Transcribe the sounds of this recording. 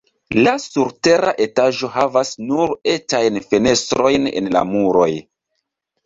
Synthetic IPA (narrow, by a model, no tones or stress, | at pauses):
lasuɾte̞ɾaʔe̞taʒo̞ɦavasnuɾetajnfene̞stɾo̞jnḛnla̰muɾo̞j